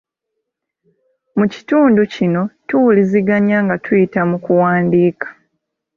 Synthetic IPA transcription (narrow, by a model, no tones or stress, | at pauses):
muci̥tuːnducino̞tuwuliziɡaɲaŋɡatʰujitamukuwaːndiːkḁ